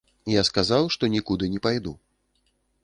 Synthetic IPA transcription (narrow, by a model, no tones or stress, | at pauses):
jaskazawʂt̪ɔnʲikud̪ɨnʲɛpajd̪u